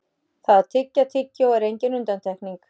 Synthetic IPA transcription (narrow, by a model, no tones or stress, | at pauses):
θaðat̪ʰɪcːat̪ʰɪcːawɛɾejɲcɪnʏnt̪ant̪ʰɛhkniŋk